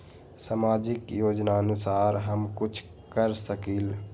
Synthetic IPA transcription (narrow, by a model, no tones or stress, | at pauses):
samaːd͡ʒɪkjoːd͡ʒnaənʊsaːɾɦəmkʊt͡ʃʰ | kəɾsəkil